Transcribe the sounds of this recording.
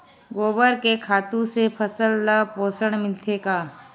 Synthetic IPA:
ɡoːbəɾkekʰaːt̪ũsepʰəsəlːapoːsəɽ̃mɪlt̪ʰekaː

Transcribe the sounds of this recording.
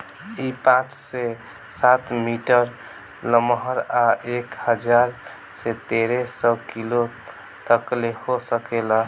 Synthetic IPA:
ipãt͡ʃse | sat̪miʈəɾ | ləmɦəɾaʔekhəd͡ʒaɾ | set̪eɾesəkilo | t̪əklehosəkelə

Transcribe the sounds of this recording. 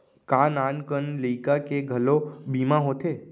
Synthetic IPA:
kaːnaːnkənləikakeɡʱəlobiːmãɦoːt̪eː

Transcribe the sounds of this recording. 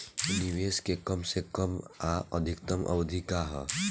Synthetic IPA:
niweːskekəmsekəmaəd̪ʱɪkt̪əmʔə̰bəd̪ʱikaɦɛ

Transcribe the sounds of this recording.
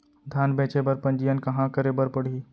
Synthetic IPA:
d̪ʱaːnbẽːt͡ʃebəɾpə̃nd͡ʒijənkɐ̃ɦãkəɾebəɾpəɽ̤iː

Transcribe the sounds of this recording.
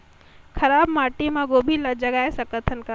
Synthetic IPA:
kʰɐɾaːbmaːʈimãɡoːbʱilɐd͡ʒɐɡaːesɐkət̪ʰənka

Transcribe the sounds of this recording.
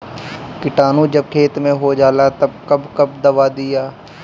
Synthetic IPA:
kɪʈaːnũd͡ʒɐb̚kʰeːt̪mẽɦod͡ʒaːlat̪ɐb̚kɐbkɐb̚d̪ɐʋad̪ɪjaː

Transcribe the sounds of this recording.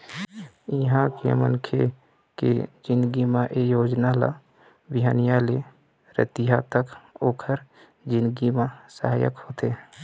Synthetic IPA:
ɪɦãkḛmə̰nkʰe | kḛd͡ʒɪ̃nd̪ɡimãʔejoːd͡ʒnala̰ | bɪɦaːnijale | ɾə̰t̪ijat̪əkoːkʰəɾ | d͡ʒɪ̃nd̪ɡimãsəɦaːjə̰khoːt̪eː

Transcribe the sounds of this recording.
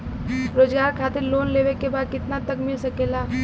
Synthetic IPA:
ɾoːd͡ʒɡaːɾkʰaːt̪ɪɾloːnleːʋekebaːd̪̚kɪt̪nat̪əkmɪlsɐkeːlaː

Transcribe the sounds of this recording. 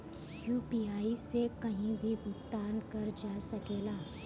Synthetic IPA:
juːpiːaːisekɐɦĩbʱibʱʊt̪ːaːnkɐɾd͡ʒaːsɐkeːlaː

